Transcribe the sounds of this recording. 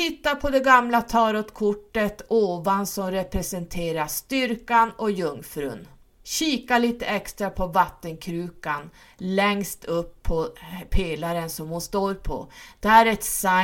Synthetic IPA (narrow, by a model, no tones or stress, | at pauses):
ɪt̪ːapʰɔd̪ɛɡamlat̪ʰɑːɾɔt̪kʰʊʈːət̪oːvansɔmɾɛpɾɛsɛnt̪ʰeːɾast̪ʏɾkanɔjɵŋfɾɵ̰n | ɕiːkaliːt̪əɛkst̪ɾapʰɔvat̪ːənkʰɾʉ̟ːkan | lɛŋst̪ʰɵpʰːɔpʰeːlaɾənsɔmhʊnst̪oːɾpʰɔ̰d̪̥ɛæɾɛt̪sa